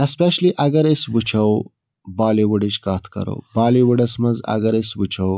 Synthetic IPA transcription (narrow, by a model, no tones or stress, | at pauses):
espeʃliʔɐɡɐɾesbut͡ʃʰɐw | baːliwuɖit͡ʃkaːt̪ʰkɐ̰ɾo̰ːbaːliwuɖɐsmɐzɐ̰ɡɐɾisbut͡ʃʰɐw